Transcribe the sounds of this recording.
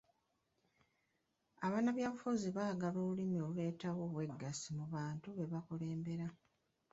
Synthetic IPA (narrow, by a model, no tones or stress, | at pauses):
aβanaβjaːβufuziβaːɡaloːβulimio̞lue̞ːtawo̞βwe̞ɡːasimuβaːntuβe̞βakole̞ːmbe̞ɾa